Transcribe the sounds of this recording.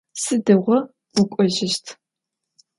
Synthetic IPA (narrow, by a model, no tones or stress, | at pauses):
sɨdɐʁʷɔ | qʷʊkʷʼɔʑɪʃtʰ